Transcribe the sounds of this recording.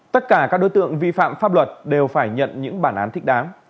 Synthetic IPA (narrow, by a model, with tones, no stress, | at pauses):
t̪ə˦˥t̚kaː˧˩kaː˦˥k̚ɗo˨˦jt̪ɨ̰˧˨əŋvḭ˧˨fa̰ː˧˨mfaː˦˥p̚lwə˨˩t̚ɗe˨˩wfaː˧˩jɲə̰˧˨nɲɨ̰˧˥ŋɓaː˧˩nʔaː˨˦nt̪ʰï˦˥k̚ɗaː˨˦ŋ